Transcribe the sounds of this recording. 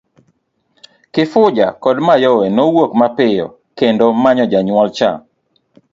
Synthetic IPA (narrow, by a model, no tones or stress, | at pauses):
kɪfʊd͡ʒa̰kɔdmajɔwɛnowokmapɪjɔ̰ | kendomaɲɔd͡ʒaɲwɔlt͡ʃa̰